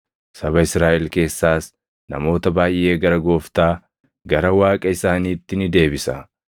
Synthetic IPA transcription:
sɐbɐɪsɾaːʔɛlke̞ːsːaːs | nɐ̰mo̞ːt̪ɐbaːjʔe̞ːɡɐɾɐɡo̞ːft̪aː | ɡɐɾɐwaːkʼɐɪsaːniːt̪ːɪnɪd̪e̞ːbɪsɐ̰

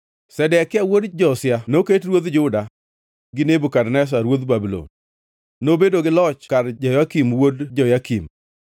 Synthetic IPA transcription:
sɛdɛkawodd͡ʒɔsjanoketɾwod̪d͡ʒʊda | ɡɪnebukadnɛs̬aɾwod̪babilo̰n | nobedoɡɪlɔt͡ʃkadd͡ʒɔjakimwodd͡ʒɔjakim

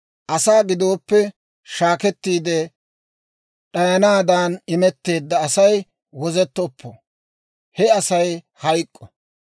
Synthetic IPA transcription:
ʔɐsaːɡɪd̪o̞ːpːɛ | ʃaːkɛt̪ːiːd̪ɛ | ɗɐjɐnaːd̪aːnɪmɛt̪ːe̞ːd̪ːɐːsɐj | wɔzɛt̪ːɔpːɔ̰ | hɛɐsɐj | hɐjkʼːɔ

